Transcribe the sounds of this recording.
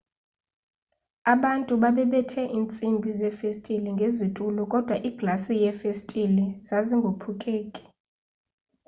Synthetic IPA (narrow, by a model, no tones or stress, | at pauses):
aɓantʼuɓaɓɛɓɛtʰɛʔint͡sʼimbʱizɛfestʼiliŋɡʱezitʼulɔkʼɔd̥ʱwaʔiɡ̥lasijɛfestʼilizaziŋɡʱopʰukʼeːkʼi̥